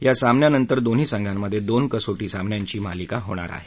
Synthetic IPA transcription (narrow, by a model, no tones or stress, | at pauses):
jasamnjanənt̪əɾd̪on̤iːsəŋɡʱjamːəd̪ʱjed̪onkəsoʈiːsamnjaɲt͡ɕiːmalikaɦoɽ̃a̰ɾa̰ɦe